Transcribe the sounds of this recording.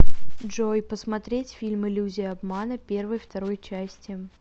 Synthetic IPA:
ʐojpəsmɐt̪ɾʲetʲfʲilʲmɪlʲuzʲɪjɐbmanəpʲe̞rvəjft̪ɐɾojt͡ɕæsʲtʲɪ

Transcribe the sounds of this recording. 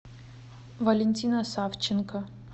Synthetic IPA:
vɐlʲenʲtʲinɐsaft͡ɕɪnkɐ

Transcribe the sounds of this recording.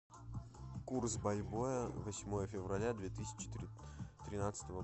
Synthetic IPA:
kursbɐlʲbojəvɐsʲmo̞jəfʲɪvrɐlʲad̪vʲet̪ɨsʲɪ̥t͡ɕɪ̥t̪t̪ɾʲɪnat̪sə̥t̪əvə

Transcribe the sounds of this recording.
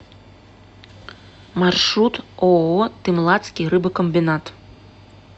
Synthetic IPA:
marʂɾut̪oot̪ɨmlˠat̪skʲiɾɨbɨkɔmbʲinat̪

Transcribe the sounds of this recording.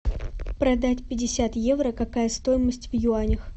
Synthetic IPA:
pɾɐd̪atʲpʲɪdʲɪsʲat̪je̞vɾəkɐkajəst̪o̞jɪməsʲtʲvjʊanʲɪx

